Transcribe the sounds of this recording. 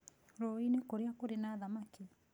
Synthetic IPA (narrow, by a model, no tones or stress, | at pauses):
ɾɔinekoɾeakoɾenaðamaki